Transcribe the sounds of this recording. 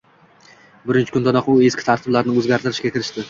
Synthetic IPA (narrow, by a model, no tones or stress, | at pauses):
bʊɾɪnt͡ʃʰɪ̥kʰʊnd̪ad̪ɒqʊe̞skʲɪ̥t̪ʰaɾt̪ʰɪblaɾnɪɵzɡʲaɾt̪ʰɪɾɪʃɡʲakʲɪɾɪʃt̪ɪ